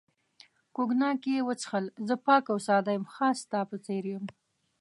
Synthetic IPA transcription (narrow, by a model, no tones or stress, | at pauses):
koɡnɑkejewət͡sə̥xəlzəpɑkawsɑd̪ajəmxɑst̪ɑpət͡seɾjum